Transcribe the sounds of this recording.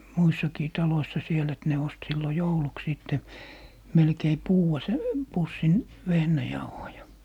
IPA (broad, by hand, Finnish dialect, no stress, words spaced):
muisːɑkiː tɑloisːɑ siel et ne ost silːo jouluks siˑtːe melkei puːw̆ɑ sæ pusːin ʋehnæjɑuhojɑ